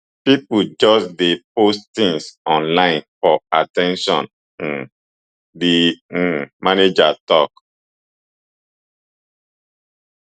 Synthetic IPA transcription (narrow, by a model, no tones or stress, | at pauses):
pipud͡ʒɔsdepostt̪ĩŋsɔ̃nlãɪ̃nfɔatɛ̃nʃɔ̰̃n̩ | di | maned͡ʒatɔk